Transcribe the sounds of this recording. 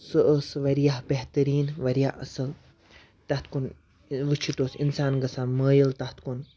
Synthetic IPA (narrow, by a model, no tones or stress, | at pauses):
sɨʔəsʋɐɾjaɦbeht̪ɐɾiːnʋɐɾijaɐsɨl | t̪ɐht̪ʰkun | ʋɨt͡ʃʰit̪oːsinsaːnɡɐsaːməːjilt̪ɐt̪kun